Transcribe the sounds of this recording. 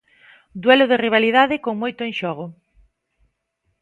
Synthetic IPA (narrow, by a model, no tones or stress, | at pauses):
d̪wɛlʊðeriβ̞aliðaðɪkoŋmojt̪ʊeŋʃɔɣ̞ʊ